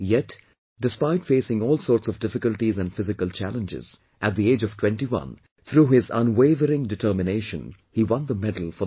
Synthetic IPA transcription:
jɛt | ɖ̥ɨspaɪʈfeɪsɪ̃ŋɔːlˠsɔːɾtsɔvdɪfɪkəlʈizæ̃nɖfɪzɪkəlˠt͡ʃæ̰lə̃nd͡ʒɪ̰z̥ | ʔæt̚d̪ieːd͡ʒɔv̥tʰw̥ɛ̃nʈiwʌ̰̃n | t̪ʰɾuːɦɪzʌ̃nweɪvəɾɪ̃ŋɖɨʈʰəːmɪneɪʃə̃n | hiwʌ̃nd̪əmɛdəl̩ˠfɔ

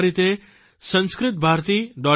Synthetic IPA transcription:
ɾit̪e | sə̃nskɾɪt̪̚bʱaɾt̪iːɖɔ

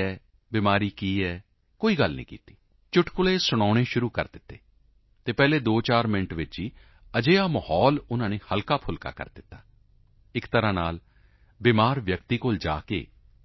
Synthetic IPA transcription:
ɛː | bɪmaːɾiːkiːɛː | koːiːɡəlnḭːkḭːt̪i̥ː | t͡ʃʊʈkʊleːsʊɽ̃aːɽ̃ẽːʃʊɾuːkə̰ɾd̪ɪt̪ːḛː | t̪eːpɛːleːd̪oːt͡ʃaːɾmɪɳʈʋɪt͡ʃiː | əd͡ʒeːaːməhɔːlʊnãːneːhəlkaːpʰʊlka̰ːkə̰ɾd̪ɪt̪ːaː | ɪkt̪əɾãːnaːl | bɪmaːɾʋjək̚t̪iːkoːld͡ʒa̰ːkḛː

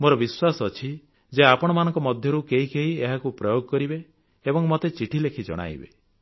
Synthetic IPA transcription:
moɾɔbiswasɔɔt͡ʃʰi | d͡ʒeapɔɽ̃ɔmanɔ̃ŋkɔmɔd̪ʱjɔɾukeɦikeɦieɦakupɾɔjoɡɔkɔɾibe | ebɔŋmɔt̪et͡ʃiʈʰilekʰid͡ʒɔ̰ɽ̃a̰jbḛ

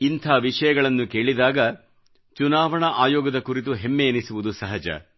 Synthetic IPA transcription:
int̪ʰaːʋiʂɐjɐɡɐɭɐnːuke̞ːɭid̪aːɡɐ | t͡ʃunaːʋɐɳɐʔaːjɔːɡɐd̪ɐkuɾit̪̬uɦemːeːnisuʋud̪usɐɦɐd͡ʒɐ̰

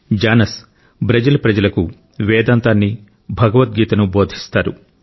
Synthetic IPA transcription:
d͡ʒaːnɐs | bɾɐd͡ʒɐlɐpɾɐd͡ʒɐlɐku | ʋɛːd̪aːnt̪aːnːi | bʱɐɡɐʋɐt̪̚ɡiːt̪ɐnubo̞ːd̪ʱi̥st̪aːɾu

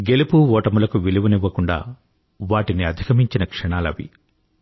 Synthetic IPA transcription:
ɡe̞lipuɔːʈɐmulɐkuʋiliʋuniʋːɐkuɳɖa̰ː | ʋaːʈiniɐd̪ʱikɐmiɲt͡ʃinɐkʂɐɳaːlɐ̰ʋḭ

